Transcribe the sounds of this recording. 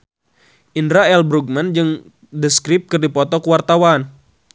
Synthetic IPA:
ʔindɾaɛlbɾuɡ̚mand͡ʒɨŋ | dəskɾip̚kɨrdipɔt̪ɔkuwart̪awan

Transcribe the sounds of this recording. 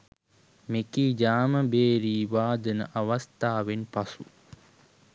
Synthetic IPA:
mekiːd͡ʒaːməbeːɾiːʋaːd̪ənə̰ʔaʋast̪aːʋenpasu

